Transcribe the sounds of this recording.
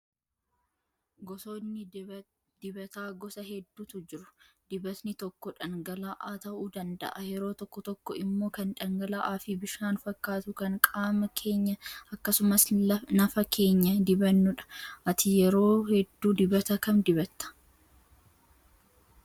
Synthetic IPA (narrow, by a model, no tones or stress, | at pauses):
ɡɔsoːnːɪ | d̪̥ɪbɐt̪aːɡɔsɐɦɛd̪ːuːt̪ʊd͡ʒɪɾʊ̥ | d̪̥ɪbɐsnɪt̪ɔkːɔᶑɐŋɡɐlaːʔaːt̪ɐʔuːd̪ɐnd̪ɐ̰ʔɐjɛɾo̞ːt̪ɔkːɔt̪ɔkːɔɪmːo̞ːkɐnᶑɐŋɡɐlaːʔaːfibɪʃaːnfɐkːaːt̪ʊkɐŋkʼaːmɐkʰe̞ːɲːɐɐkːɐsʊmɐslɐnɐfɐkʰe̞ːɲːɐd̪ɪbɐnːʊᶑɐ̥ʔɐt̪ɪjɛɾo̞ːhɛd̪ːuːd̪ɪbɐt̪ɐkɐnd̪ɪbɐt̪ːɐ̥